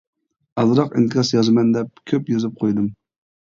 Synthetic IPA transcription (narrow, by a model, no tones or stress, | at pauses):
ɑzɨɾɑqḭnt̪ʰɨkʰɑsjɑzmɛnd̪ɛp̚kʲʰøpjozɨp̚qʰojd̪ɨm